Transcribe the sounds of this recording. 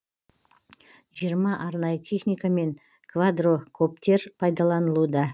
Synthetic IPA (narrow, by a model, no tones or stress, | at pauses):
ʒijəɾmɑʔɑɾnɑjət̪ʰe̞χnijkame̞ŋ | kʰvad̪rokʰɵp̚t̪e̞ɾpʰɑjd̪ɑlˠɑnəlˠud̪ɑ